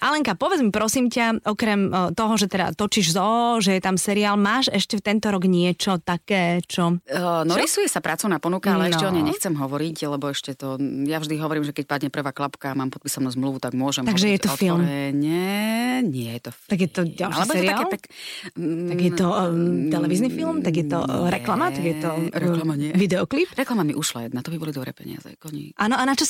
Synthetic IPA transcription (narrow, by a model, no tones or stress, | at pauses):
ʔalɛŋkapɔʋɛd͡zmipɾɔsiːmcaɔkɾɛmt̪ɔɦɔʒɛt̪ɛd̪a̰t̪ɔt͡ʃiʒzɔɔʒɛjɛt̪amsɛɾiaːlmaːʃɛʃcɛft̪ɛnt̪ɔɾɔɡɲɪɛt͡ʃɔt̪akɛːt͡ʃɔnɔɾisujɛsapɾaːt͡sɔʊnaːpɔnukaalɛɛʃcɛɔɲɛjɲɛxt͡sɛmɦɔʋɔɾiclɛbɔɛʃcɛt̪ɔjavʒd̪iɦɔʋɔɾiːmʒɛkɛc̚pad̪ɲɛpr̩ʋaːklapkaːmaːmpɔt̪pisɔmnuzmluʋut̪aɡmʊɔʒɛmt̪aɡʒɛjɛt̪ɔfilˠmɛɲɛɲɪɛjɛt̪ɔt̪aɡjɛt̪ɔɟalalɛbɔjɛsɛɔɾiaɛlˠpɛk̪ | aɡjɛt̪ɔt̪ɛlɛʋiznifilmt̪aɡjɛt̪ɔ̰ɾɛklamat̪aɡjɛt̪ɔɾɛʋid̪ɛɔklipɾɛklamamiʔuʃla̰jɛd̪nat̪ɔbibɔlid̪ɔbɾɛ̰ːpɛ̰ɲɪa̰zɛ̰ɔɲḭʔaːnɔʔanat͡ʃɔs